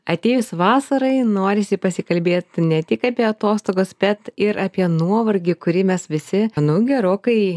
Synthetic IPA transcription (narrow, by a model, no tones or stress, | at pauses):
ɐt̪ʲeːjʊsʋɑːsɐɾɐɪnoːɾʲɪsʲɪpɐsʲɪkɐlʲbʲeːt̪nʲɛt̪ʲɪkɑːpʲiɛɐt̪oːst̪oːɡoːsb̥ʲɛt̪ɪɾʔɑːpʲiɛnuɔʋɐrʲɡʲɪkʊɾʲɪmʲɛsʋʲɪsʲɪnʊɡʲɛɾoːkɐɪ